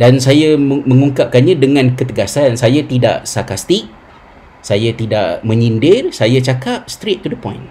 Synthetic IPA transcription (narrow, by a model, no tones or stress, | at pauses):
dansajamə̃ŋuŋkap̚kanɲãdəŋãnkət̪əɡasansajat̪ida̰ʔsakast̪ik̚ | sajat̪ida̰ʔmə̃ɲindɪrsajat͡ʃakap̚st̪ɾet̪̚ːudəpɔ̃jn